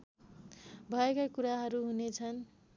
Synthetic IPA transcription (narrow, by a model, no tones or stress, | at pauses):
bʱʌekakuɾaɦʌɾuɦunet͡sʰʌn